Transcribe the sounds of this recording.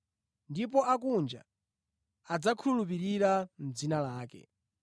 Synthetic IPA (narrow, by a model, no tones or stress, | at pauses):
ndipɔakund͡ʒa̰ | ad͡zakʰulup̬iɾiɾam̩d͡zinalaːkɛ̰